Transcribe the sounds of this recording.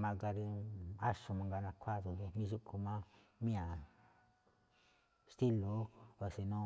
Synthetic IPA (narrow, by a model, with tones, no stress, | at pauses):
mã˧ɡa˧ɾe˧a˦ʃo˧mã˧ŋɡa˧nã˧kʷʰa˦ðu˧˨ɡe˧mĩ˧ʒu˦ku˧mã˦mĩ˦ã˨ | st̪i˦lo˨˦o˧˨se˧nõ˦